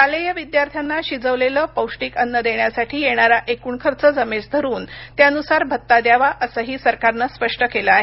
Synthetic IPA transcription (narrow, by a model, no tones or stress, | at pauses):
kalejəʋid̪jaɾt̪ʰjanːaɕid͡zəʋleləːpəwʂʈiːkənːəd̪eɳjasaʈʰiːjeɽ̃aɾaʔekuːɳkʰəɾt͡səd͡zəmed͡zd̪ʱəɾuːnt̪jaənusaɾbʱət̪ːad̪jaʋaʔəsəɦiːsəɾkaɾnaspəʂʈəkeləaɦe